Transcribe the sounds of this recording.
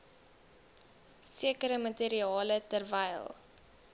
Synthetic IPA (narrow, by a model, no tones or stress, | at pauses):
siəkəɾəməteɾiɑːlətərvɛjlˠ